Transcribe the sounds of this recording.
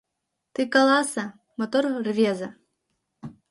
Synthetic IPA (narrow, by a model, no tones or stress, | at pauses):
t̪ɨkɐlˠasɐ | mɔt̪ɔrrvʲɛzɐ